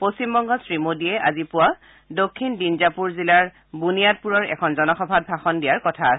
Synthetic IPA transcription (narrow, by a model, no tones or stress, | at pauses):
post͡ɕimbɔŋɡɔsɹimodiɛʔa̰zipʊwa | dokʰːindinzapuɹzilaɹ | bunijat̚puɹɔɹɛ̰kʰɔnzɔnɔxɔbʱat̚bʱaxɔndijaɹkɔtʰasɛ